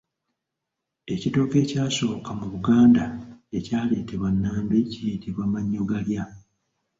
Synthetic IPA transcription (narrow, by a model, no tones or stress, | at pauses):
e̞cito̞ːke̞ːcaːso̞ːkamuβuɡaːndae̞caːle̞ːte̞βwanːaːmbicijitiβwamaɲːoɡalja